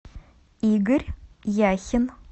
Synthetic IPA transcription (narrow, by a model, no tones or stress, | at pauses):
iːɡəɾjæçən